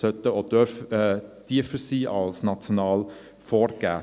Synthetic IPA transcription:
sœt̪əod̪øɾfd̪̥iəfəsiːʔɑlsnɑt͡sjonɑːl | foːɾɡ̥æː

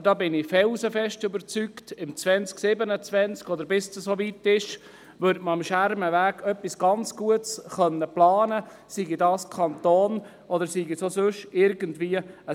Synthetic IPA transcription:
dɑːbɪnɪfɛlzəfɛʃtʏbəɾt͡syktɪmt͡sʋɛnt͡sksɪbənət͡sʋɛnt͡skɔd̪əɾbɪstsoʋitɪʃ | ʋʏɾdməɑmʃæɾməʋæːɡœpːisɡ̥ɑnt͡sɡ̥uətsχœnːəplɑːnə | siɡidɑːskʰɑntoːn | ʔɔd̪əɾsiɡisosɵʃɪɾɡəntʋiəə

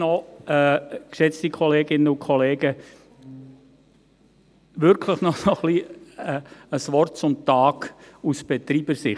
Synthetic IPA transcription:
nɔɛkʃɛt͡stikʰɔleːɡɪnːəʊnkʰɔleːɡ̥ə | ʋʏɾkʰləχnɔsoχliəəsʋɔrtt͡sʊmtɑːɡusb̥ɛt̪ɾiːb̥əɾsɪχ

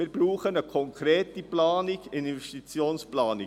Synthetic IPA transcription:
iːbɾuːχənəkʰɔŋkʰɾeːt̪iplaːnɪkɪnnvɛstit͡sjoːnsplɑːnɪ

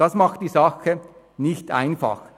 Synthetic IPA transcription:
ɑsmɑxtd̥iːsɑxə | nɪçt̪ʔa̰ɪnfɑ̰x

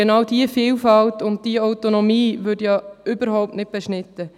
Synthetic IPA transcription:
enɑwdiəfiːlfɑltʊnt̚d̥iəaʊtonomiːvʏdjɑʏbəɾhɔʊp̚tnɪt̚b̥eʃnɪtːə

